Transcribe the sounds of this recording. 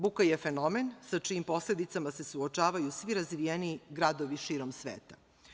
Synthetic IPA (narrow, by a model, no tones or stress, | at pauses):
bukajefe̞no̞me̞nsat͡ʃiːmpo̞sle̞d̪it̪samase̞suot͡ʃaːʋajusʋiɾazʋijeniɡɾad̪o̞ʋiʃiːɾo̞msʋeːt̪a